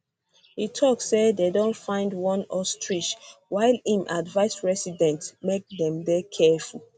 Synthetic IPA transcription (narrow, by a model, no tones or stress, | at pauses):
hitʰɔksːededõnfãɪ̃ndwɔ̃nɔstʰɹiʃwaɪlĩmʔadvaɪsɹɛsidɛ̃ntmek̚dɛ̃mdɛkʰɛful